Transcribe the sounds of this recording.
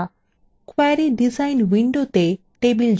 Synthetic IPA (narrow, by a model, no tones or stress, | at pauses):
kwajɾiɖizainʋiɳɖot̪e | ʈebild͡ʒ